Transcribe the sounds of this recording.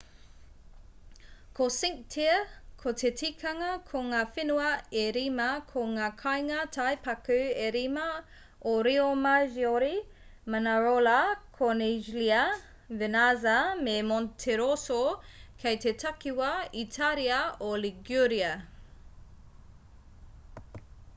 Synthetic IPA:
kʰosiŋk̚tʰiəkʰot̪ʰetʰikʰɐŋɐkʰoŋaːfenuɐeɾimɐkʰoŋaːkʰajŋɐtʰajpɐkʉeɾimɐ | oɾiomaʒioɾi | manaɾolɐkʰoniʒliɐ | venazɐmemontʰeɾosokʰejtʰetʰɐkiwɐitʰaɾiɐoliɡuɾiɐ

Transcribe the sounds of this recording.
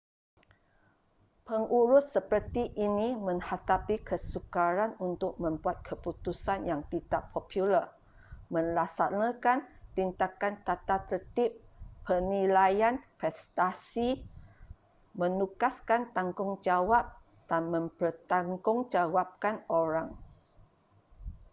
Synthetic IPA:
pəŋuɾʊsːəpərt̪iʔinimə̃ŋhat̪apikʰəsukaɾanunt̪ʊk̚mə̃mbuat̪̚kʰəput̪usanjaŋt̪it̪aʔpʰɔpʰjulər | mə̃nlasanakant̪int̪akant̪at̪at̪ərt̪ɪp̚ːərnilajanpɾɛst̪asi | mənukaskant̪aŋɡʊŋd͡ʒawap̚ | d̥anmə̃mpərt̪aŋɡʊŋd͡ʒawap̚kanoɾaŋ

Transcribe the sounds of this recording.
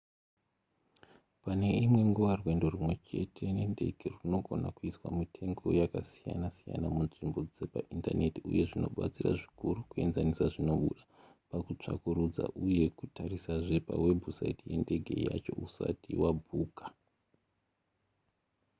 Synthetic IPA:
pane̞imwe̞ŋɡuʋarwe̞ndo̞rumwe̞t͡ʃe̞̰tʰe̞ne̞nde̞ɡʱe̞runo̞ɡʱo̞nakuiswa̰mitʰe̞ŋɡo̞jakasija̰nasija̰namunʐimbo̞d͡ze̞paʔintane̞tiṵje̞ʐino̞̰ɓa̰t͡sira̰ʐi̥kuɾukue̞nzanisaʐino̞ɓuɗapakut͡ʂa̰kuɾud͡za̰ʔuje̞kutʰaɾisaʐe̞pawe̞bʱusaitije̞nde̞ɡʱe̞̰ja̰t͡ʃo̞̰usa̰tiwabʱuːkḁ

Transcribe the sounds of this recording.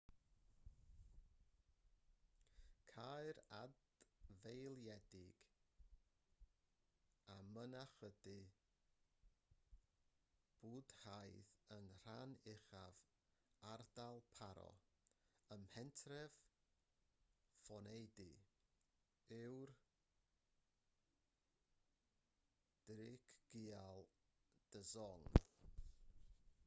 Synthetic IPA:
kʰaɨɾa̰d | vejlˠjɛdɪɡ̥ | amənaχədɨ | b̥uːd̥hajðənr̥anɪχav | ardalˠpʰaɾɔ̰ | əmhɛntʰrɛv̥ | fɔnejdɨ | ɪwr | d̥ɾɪkʰɡ̥ialˠd̥əzɔŋ

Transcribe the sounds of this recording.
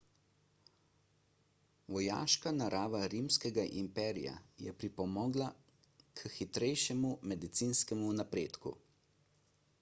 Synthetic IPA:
ʋɔja̰ːʃkanaɾʔaːʋaɾimskɛɡaʔimpɛːɾḭja̰jɛ̰pɾipɔmɔːɡla | kʰxit̪ɾɛjʃɛmumɛd̪it̪siːnskɛmunapɾeːt̪kṵ

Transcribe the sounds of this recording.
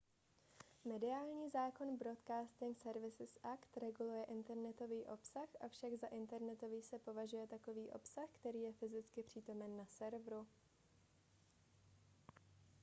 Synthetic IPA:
mɛdɪaːlɲiːzaːko̞nbɾot̪kaːst̪ɪŋksɛɾvɪsɪsʔakt̪ɾɛɡulujɛʔɪnt̪ɛɾnɛt̪o̞viːʔo̞psaxʔafʃaɡzaʔɪnt̪ɛɾnɛt̪o̞viːsɛpo̞vaʒujɛt̪ako̞viːʔo̞̰psaxkt̪ɛɾiːjɛfɪzɪt͡skɪpr̝̥iːt̪o̞mɛnːasɛɾvɾu

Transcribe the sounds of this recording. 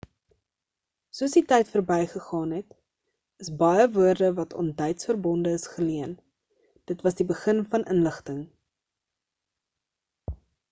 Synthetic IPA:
suəsditɛjtfərbɛjχəχɑːnɦɛt | əsbɐjəvuərdəvɐtɔ̰ntdɛjtsfərbɔndəːsχəliən | d̥ətvɐsdibəχənfɐnʔənləχtəŋ

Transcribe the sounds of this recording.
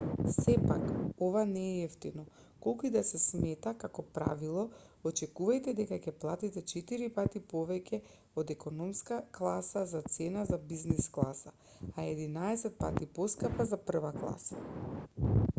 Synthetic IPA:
sɛpakovanɛːɛft̪inɔ | kolˠkuid̪asɛsmɛt̪akakɔpɾa̰vilˠɔ | ɔt͡ʃɛkuvajt̪ɛd̪ɛkacɛplˠat̪it̪ɛt͡ʃɛt̪iɾipat̪ipɔvɛcɛ | od̪ɛkɔnɔmskaklˠasazat̪sɛnazabiznisklˠasa | aɛd̪inaɛsɛt̪̚pa̰t̪ipɔskapazapr̩vaklˠa̰sḁ

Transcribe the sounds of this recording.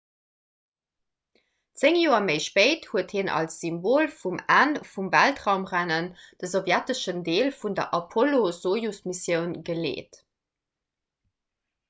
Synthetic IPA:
t͡seŋjoːɐməɪʃpəɪthuəthinʔɑ̰lsz̥imboːlfumæːnfumvæltʁaʊmʁænənd̥əzovjætəʃəndeːlfundɐ̰ʔɑpʰolozoːjusmisjəʊnɡəlḛːt

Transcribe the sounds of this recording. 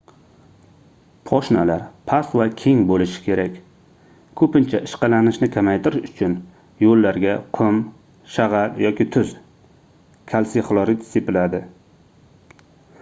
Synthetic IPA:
pʰɒʃnalaɾpʰasvakʲʰe̞ŋbolɪʃɪ̥kʲʰe̞ɾakʲ | kʰɵpɪnt͡ʃʰaʔɪʃqɑlanɪʃnɪkʲʰamajt̪ʰɪɾɪʃʊt͡ʃʰʊn | jolːaɾɡʲaqʰʊm | ʃaʁɑljɒkʲɪt̪ʰʊz̥ | kʲʰalsɪχlˠɒɾit̪sepɪlad̪ɪ

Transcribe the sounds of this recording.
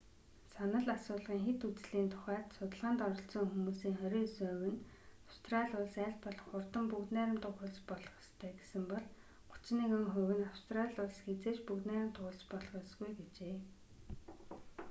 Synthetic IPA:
sanə̆ɮasʊːɮʁiːŋxet̪ut͡sɮiːnt̪ʰʊ̥χæːt̪sʊt̪ə̆ɮʁaːnt̪ɔɾɞ̆ɬt͡sɞ̆ŋxumuːsiːŋχœɾʲiːsœwɘ̆n | awst̪ʰraɮʲʊɮsæːɮpɔɮɞ̆χʊrt̪ə̆mpukt̪næːɾə̆mt̪ʊχʊ̆ɮt͡spɔɮʁɞ̆st̪ʰæːɡesɘ̆mpɔɮ | ɢʊ̥t͡ɕniːkə̆ŋχɵwɘ̆nawst̪raɮʲʊɮsxet͡seːt͡ɕpukt̪næːɾɪ̆mt̪ʊʊɮt͡ɕpɔɮʁə̆sɡujɡet͡ɕeː

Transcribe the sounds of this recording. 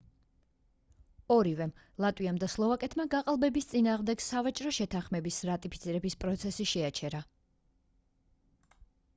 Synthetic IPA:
ɔɾivɛm | lˠat̪ʼwiamd̪aslˠɔvakʼɛt̪ʰmaɡaqʼalˠbɛbist̪sʼinaːʁmd̪ɛɡ̥savat͡ʃʼɾɔʃɛt̪ʰãχmɛbisɾat̪ʼipʰit̪sʰiɾɛbispʼɾɔt̪sʰɛsiʃɛat͡ʃʰɛɾa

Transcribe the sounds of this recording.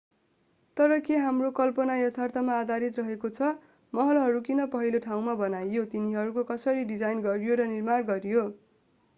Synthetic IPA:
t̪ʌɾʌkeɦamrokʌlpʌnajʌt̪ʰart̪ʌmaːd̪aɾit̪rʌɦekot͡sʰʌ | mʌɦʌlɦʌɾukinʌpʌɦiloʈʰaw̃mabʌnajːot̪iniɦʌɾukokʌsʌɾiɖid͡zajnɡʌrjoɾʌnirmarɡʌɾjo

